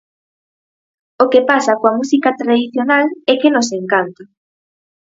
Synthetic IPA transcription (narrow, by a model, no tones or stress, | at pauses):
okepasakoamusikat̪ɾaðiθjonalɛkenoseŋkant̪o